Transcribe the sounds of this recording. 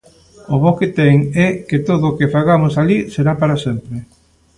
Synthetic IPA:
ʊβoket̪ɛŋɛket̪oðokefaɣamʊsaliseɾapaɾasɛmpɾe

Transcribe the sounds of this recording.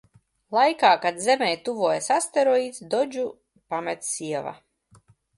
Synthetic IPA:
lˠajkaːkad̪zɛmɛːjt̪uvuːjasast̪eɾɔiːt̪sd̪ɔd͡ʒu | pamɛt̪siɛva̰

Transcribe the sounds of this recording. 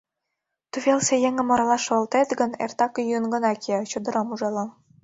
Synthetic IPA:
t̪uβelsejeŋə̆moɾɑlɑʃɤlt̪et̪ɡə̆nḛrt̪ɑkjynɡɤ̆nɑkʰet͡ɕud̪ɤ̆ɾɑmuʒɑlɤ̆

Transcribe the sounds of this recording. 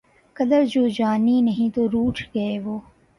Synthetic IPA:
kɐd̪əɾd͡ʒoːd͡ʒaːninɐɦĩt̪oɾuːʈʰɡɐeʋoː

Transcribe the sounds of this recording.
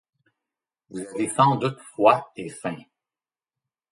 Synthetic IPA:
vuzavesɑ̃d̪ut̪fwaefɛ̃

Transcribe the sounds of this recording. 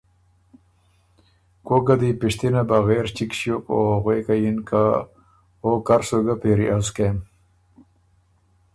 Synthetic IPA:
koɡɐd̪ipiʂt̪inabɐɣeːɾt͡ɕikɕjokoɣweːkajinka | oːkɐɾsoɡapeɾiʔaskem

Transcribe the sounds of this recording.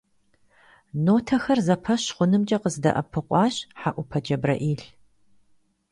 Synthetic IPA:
noːtʰɐxɐrzɐpʰɐɕχʷʊnɨmt͡ʃʼɐqəzdɐ̰ʔɐ̰pʰɨqʷʼɑːɕħaʔʷʊpʰɐd͡ʒʼɐbrɐ̰ʔiːɬ

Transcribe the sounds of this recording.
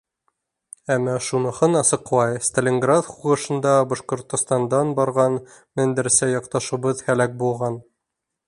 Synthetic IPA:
æmːæʃunɤ̆hɤnɑsɤ̆qlˠɑjst̪ɘ̆lʲeŋɡrat̪χuʁɤ̆ʃɤ̆nd̪ɑbɒʃqŏɾt̪ŏst̪ɑnd̪ɑnbɑɾʁɑn | mɘ̆nd̪ɘ̆ɾsæjɒqt̪ɑʃŭβɤðhælæk̚bulˠʁɑn

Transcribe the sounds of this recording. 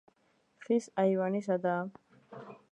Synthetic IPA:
fisajwaniʃ̬ad̪a

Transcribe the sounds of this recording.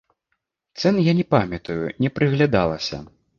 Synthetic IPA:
t̪sɛnjanʲɛpamʲɐt̪ujunʲɛpɾɨɣlʲad̪a̰lˠɐsʲɐ̰

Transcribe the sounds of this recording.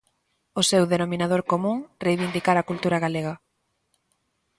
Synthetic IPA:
ʊsewðenomĩnaðoɾkomũŋrejβind̪ikaɾakult̪uɾaɣaleɣɐ

